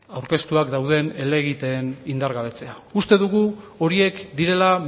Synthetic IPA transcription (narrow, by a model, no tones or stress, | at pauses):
awɾke̞st̪uakd̪awðe̞ne̞le̞ɣit̪e̞ːnind̪aɾɣaβ̞e̞t͡se̞aust̪e̞ðuɣ̞uo̞ɾie̞kd̪iɾe̞la